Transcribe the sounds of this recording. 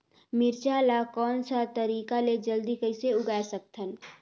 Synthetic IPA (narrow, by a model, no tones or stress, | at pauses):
mɪɾt͡ʃaːlakɔːnsat̪əɾiːkaled͡ʒəld̪ikəɪseʊɡaːesək̚t̪ʰən